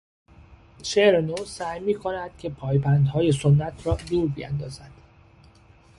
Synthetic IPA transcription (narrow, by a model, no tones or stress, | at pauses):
ʃeɾenoːsæːjmiːkʰo̞næd̪̥cʰe̞pʰɒːjbænd̪hɒːje̞sonːæt̪ʰɾɒːd̪uːɾbijæ̰nd̪ɒːzæd̪̥